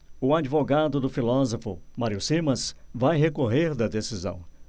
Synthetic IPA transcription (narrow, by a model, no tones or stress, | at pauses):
ʊad͡ʒivoɡad̪ʊd̪ʊfilɔzofʊ̰maɾiʊsimɐsvajɦekoɦeɾd̪ɐd̪esizɐ̰̃w̃